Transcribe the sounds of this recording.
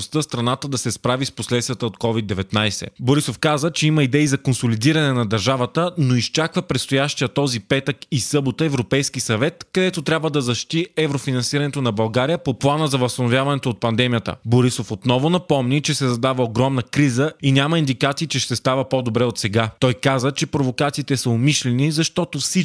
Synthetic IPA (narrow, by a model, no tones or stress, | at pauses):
st̪əst̪ɾɐnat̪əd̪ɐsɛspɾavisposlɛt̪st̪vʲjət̪əot̪kɔvid̪ːɛvɛt̪najsɛ̰boɾisofkazət͡ʃɛimɐid̪ɛizɐkonsolid̪iɾɐnɛnɐd̪ɐɾʒavət̪ənoist͡ʃakvəpɾɛt̪st̪ojaʃt̪ijət̪ɔzipɛt̪əkisɤbot̪əɛvɾopɛjskisɐvɛt̪kɐd̪ɛt̪ot̪ɾʲabvəd̪ɐzɐʃi̥t̪iɛvɾofinɐnsiɾɐnɛt̪onɐbɐlˠɡaɾijəpoplˠanəzɐvɐst̪ɐnovʲjavɐnɛt̪oːt̪̚pɐnd̪ɛmijət̪ə̰boɾisofot̪nɔvʊnɐpɔmnit͡ʃɛsɛzɐd̪avəoɡɾɔmnəkɾizəinʲaməind̪ikat̪siːt͡ʃɛʃt̪ɛst̪avəpɔd̪obɾɛot̪sɛɡat̪ɔjkazət͡ʃɛpɾovokat̪siːt̪ɛsəomiʃlɛnizɐʃt̪ɔt̪ofsi